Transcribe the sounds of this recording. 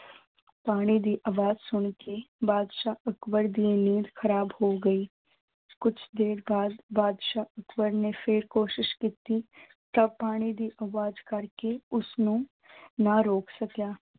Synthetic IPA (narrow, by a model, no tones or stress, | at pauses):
paːɽ̃id̪iʔɐʋaːd͡ʒsʊɳ̃kebaːd̪ʃaʔɐkwəɾd̪ieniːd̪xɐɾaːbhoɡɐiː | kʊt͡ʃʰd̪eːɾbaːd̪baːd̪ʃaʔɐkwəɾnefʰeɾkoːʃɪʃkiːt̪i | t̪ɐbpaːɽ̃id̪iʔɐʋaːd͡ʒkɐɾkeʊsnũ | nɐɾoːksɐkjaː